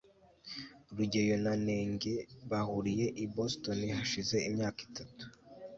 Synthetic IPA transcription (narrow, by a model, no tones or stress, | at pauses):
ɾuɟe̞jo̞nane̞ːŋɟe̞βahuɾije̞ʔibosto̞nihaʃize̞imɲaːki̥tatu̥